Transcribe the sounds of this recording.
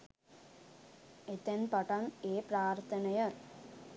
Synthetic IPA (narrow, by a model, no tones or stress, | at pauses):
et̪enpɐʈɐneːpɾaːɾt̪ʰɐnɐjɐ